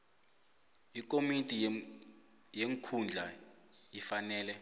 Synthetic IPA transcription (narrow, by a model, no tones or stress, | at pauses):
ik̬ʼomitʼi | jeŋkʰund͡ɮʱaifanɛːlɛ